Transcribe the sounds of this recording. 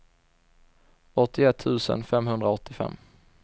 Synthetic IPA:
ɔt̪ːɪɛt̪ʰːʉ̟ːsə̰nfɛmɦɵnd̪ɾaɔt̪ʰːɪfɛ̰mː

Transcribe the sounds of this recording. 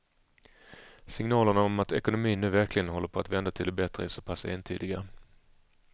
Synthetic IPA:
sɪŋnɑːləɳaɔmat̪ɛkʊnʊmiːnʉ̟ːvæɾklɪɡənɦɔlːəɾpʰɔat̪vɛnd̪at̪ʰɪld̪ɛbɛt̪ɾə̰ɪsoːpʰasḛːnt̪ʰy̰ːd̪ɪɡa

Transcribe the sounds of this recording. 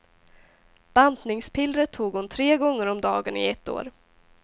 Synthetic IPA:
b̥and̪nɪŋspʰɪlɾət̪ʰːuːɡhʊnt̪ʰɾeːɡɔŋːəɾɔmd̪ɑːɡənɪ̰ɛt̪ːo̰ːɾ

